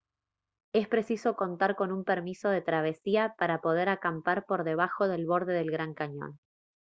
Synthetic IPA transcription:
e̞spɾe̞sisoko̞nt̪aɾko̞numpeɾmiso̞ð̞e̞t̪ɾaβ̞e̞siapaɾapo̞ð̞e̞ɾakampaɾpo̞ɾðe̞β̞axo̞ðe̞lβo̞ɾðe̞ð̞e̞lɣɾaŋkaɲo̞̰n

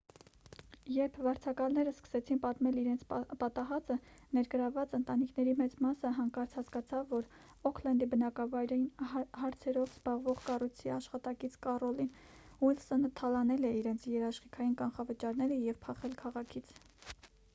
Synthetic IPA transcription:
jɛɾpʰvɑɾt͡sʰɑkɑlnɛɾəskə̥sɛt͡sʰinpɑt̪mɛliɾɛnt͡sʰpɑt̪ɑɦɑt͡sənɛɾɡəɾɑvɑt͡sənt̪ɑnikʰnɛɾimɛt͡smɑsəɦɑŋkɑɾt͡sʰhɑskɑt͡sʰɑvːɔɾ | ɔkʰlɛnd̪ibənɑkɑvɑjɾɛinhɑɾt͡sʰɛɾɔvz̥bɑʁvɔʁkɑrujt͡sʰiɑʃχɑt̪ɑkit͡sʰkɑrɔlinhulsənt̪ʰɑlɑnɛlɛiɾɛnt͡sʰjɛɾɑʃχikʰɑjinkɑnχɑvət͡ʃɑɾnɛɾəjɛvpʰɑχɛlkʰɑʁɑkʰit͡sʰ

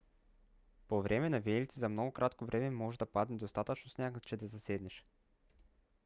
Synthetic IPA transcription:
povɾʔɛmɛnavɛlʲit̪sizɐmnɔɡokɾʔat̪kovɾʔɛmɛmɔʒɛd̪ɐpad̪nɛd̪ost̪at̪ət͡ʃnosnʲakət͡ʃɛd̪ɐzɐsɛd̪nɛʃ

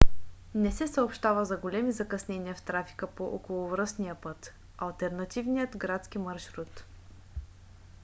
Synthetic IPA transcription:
nɛsɛsəopʃt̪avəzɐɡolʲɛmizɐkɐsnɛniəft̪ɾafi̥kəpoʔokolˠʊvɾəsnijəpɤt̪ | ɐlˠt̪ɛɾnɐt̪ivnijət̪ɡɾat̪skimɐɾʃɾut̪

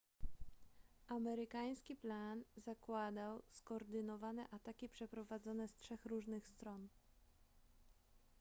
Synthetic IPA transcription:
ʔamɛɾɘkaj̃skʲiplanzakwad̪awskɔːɾd̪ɘnɔvanɛ̰ʔat̪akʲipʂɛpɾɔvad̪zɔnɛstʂɛxɾuʐnɘxst̪ɾɔn

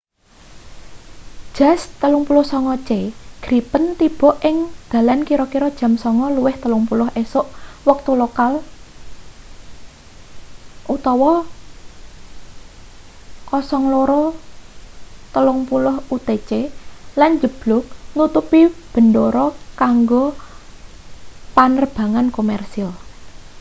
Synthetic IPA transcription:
ʒ̥a̤st̪əlʊŋpulʊhsɔŋɔt͡ʃeɡ̥ɾipənt̪ib̥ɔ̤ʔɪŋd̪̥a̤lankiɾɔkiɾɔd̥ʒ̥a̤msɔŋɔluwɪht̪əlʊŋpulʊɦʔesʊʔwək̚t̪ulokal | ʔut̪ɔwɔ | kɔsɔŋloɾɔ | t̪əlʊŋpulʊhut̪et͡ʃeland͡ʒəb̥lʊk̚nut̪upib̥ə̤nd̪oɾɔkaŋɡo | panərb̥a̤ŋankomɛrsial

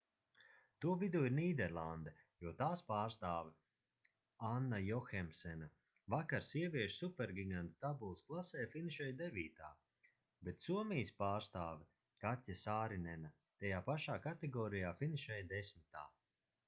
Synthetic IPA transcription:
t̪uɔvid̪uːiɾniːd̪ɛɾlˠand̪ɛ | juɔt̪aːspaːɾst̪aːv | anːajɔxɛmsɛna | vakaɾsiɛvʲiɛʃsupɛɾɡʲiɡant̪at̪abulˠsklˠasɛːjfiniʃɛjd̪evʲiːt̪a̰ː | bet̪suɔmijspaːɾst̪aːvɛ | katʲːasaːɾinɛna | t̪ajaːpaʃaːkat̪ɛɡɔːɾijaːfiniʃɛjd̪esʲmit̪a̰ː

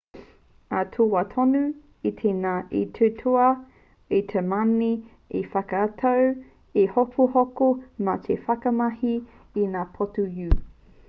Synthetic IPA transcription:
atʰowat̪ʰonu | itʰenaʔḭtʰutʰoɐ | etʰemani | efɐkɐatʰaw | ehokʰohokomɐtʰefɐkɐmɐhiː | naːpʰotujʉ

